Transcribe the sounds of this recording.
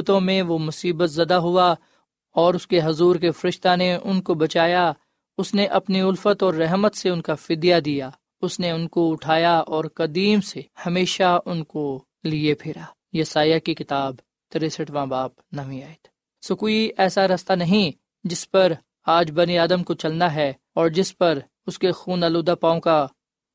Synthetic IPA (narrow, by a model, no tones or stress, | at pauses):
t̪õmẽʋomʊsiːbət̪zɐd̪aɦʊa | ɔːɾʊskeɦɐzuːɾk̬efɐɾɪʃt̪aneʔʊnkobɐt͡ʃaːja | ʊsneʔɐpniʊlfət̪ɔːɾːɛɦmət̪seʊnkafɪd̪jad̪ija | ʊsneʊnkoʊʈʰaːjaɔːɾkɐd̪iːmsehɐmeːʃaʊnko | liepʰɪːɾaː | jɐsaːjakikɪt̪aːb | t̪ɐɾesɐʈʋãːbaːpnɐʋĩaːet̪ʰ | soːkoːiɛːsaɾɐst̪anɐɦĩ | d͡ʒɪspɐɾ | aːd͡ʒbɐniaːd̪əmkot͡ʃɐlnaɦɛ | ɔːɾd͡ʒɪspɐɾ | ʊskexuːnaːloːd̪apãːõka